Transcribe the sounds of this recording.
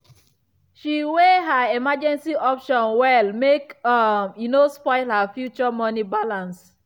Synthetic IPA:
ʃiweɦaemad͡ʒɛ̃nsiʔɔpʃɔ̃nwɛlmekmjinospɔɪlhafjut͡ʃɔmɔnibalãns

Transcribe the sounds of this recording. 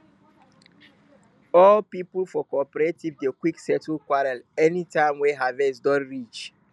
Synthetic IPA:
ɔlpipʊl̩fɔkɔpɛɾetivdekwiksɛtukwaɾalɛnitãɪ̃mwɛɦavɛsdɔ̃nɾit͡ʃ

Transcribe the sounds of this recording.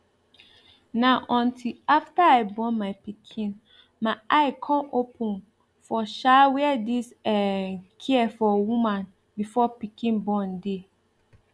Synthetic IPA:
nãʔɔ̃ntʰilaftaaɪbɔ̃nmaɪpikʰĩn | mãʔaɪkʰɔ̃nopʰũn | fɔʃawiɛdisɛkʰiɛfɔwũmãn | bifɔpikʰĩnbɔ̃nde

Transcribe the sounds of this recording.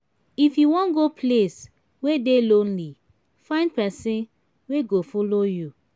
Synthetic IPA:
ifjuwɔ̃nɡopʰles | wedelõnli | fãj̃ndpɛsĩn | weɡofɔloju

